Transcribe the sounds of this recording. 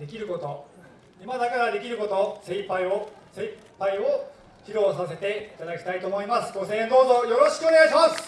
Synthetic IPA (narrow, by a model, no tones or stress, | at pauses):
d̪e̞kʲiɾɯ̟ko̞t̪o̞ | imad̪akaɾad̪e̞kʲiɾɯ̟ko̞t̪o̞sẽ̞ipaiose | pːaio̞ | çʲiɾo̞ːsase̞t̪e̞it̪ad̪akʲi̥t̪ait̪o̞ːmo̞imasɨ̥ɡo̞sẽːnd̪o̞ːzo̞jo̞ɾo̞ɕi̥kɯ̟o̞ne̞ɡaiɕimasɨ̥